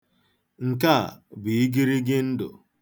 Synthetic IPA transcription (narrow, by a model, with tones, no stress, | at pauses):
ŋ̩˨ka̰˦˨bi˨i˦ɡi˦ɾi˦ɡɪ˦n̩˦dʊ̰˨